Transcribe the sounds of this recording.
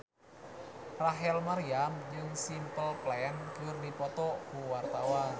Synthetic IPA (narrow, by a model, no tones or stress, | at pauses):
raɦɛlmaɾiamd͡ʒɨŋsimpəlplɛnkərdipɔt̪ɔkuwart̪awan